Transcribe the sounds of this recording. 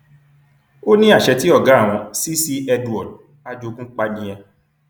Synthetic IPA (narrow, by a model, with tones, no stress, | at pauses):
o˦nĩ˦a˦˨ʃɛ˧ti˦ɔ˦˨ɡa˨˦˨w̃ɔ̃˧si˦si˦ɛ˧du˨ɔ˨d̚ | a˦d͡ʒo˧kũ˦k͡pa˧dĩ˧j̃ɛ̃˧